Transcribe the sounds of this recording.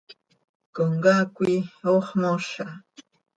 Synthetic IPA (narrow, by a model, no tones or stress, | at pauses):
koŋɡakʷioχmoʃa